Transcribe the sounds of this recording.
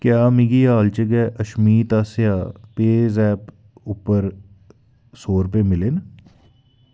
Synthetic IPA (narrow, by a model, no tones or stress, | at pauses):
kjaːmɪɡiaːlt͡ʃəɡɛʔɐʃmiːt̪aːsejaːpeːzɛːp | ʊpəɾ | soːɾpemɪlen